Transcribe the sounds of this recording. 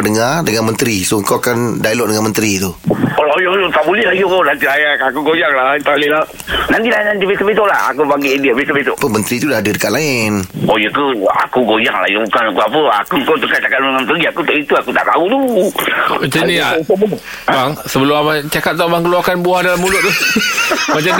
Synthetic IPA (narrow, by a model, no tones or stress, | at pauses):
dəŋardəŋanmənt̪ɾisoəŋkawakandailɔʔ̚dəŋanmənt̪ɾit̪uolaojot̪aʔbuliəhlajonant̪ilaakuɡojaŋlat̪alila | nant̪ilainant̪̬ibesəbit̪̬oʔlaa̰kubaŋɡiʔndiabesəbet̪oʔpəmənt̪ɾit̪udahadidəkaʔlaɪnojəkua̰kuɡojaŋla̰joukanakuapəa̰kukot̪əkat͡ʃakat̪̚əŋanpəɡiakut̪oʔit̪uakut̪a̰ʔbaɡut̪u | t͡ʃəniato | baŋsəbəlʊmamat͡ʃakat̪̚t̪abaŋkəluakanbuahdalamːulʊt̪t̪ʊ | mat͡ʃam